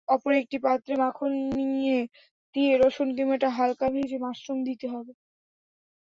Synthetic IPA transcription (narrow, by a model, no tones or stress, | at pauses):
ɔpoɾek̚ʈipat̪ːɾemakʰonniije | t̪ieɾoʃonkimeʈaɦalkabeʃemasɾomd̪it̪eɦɔbe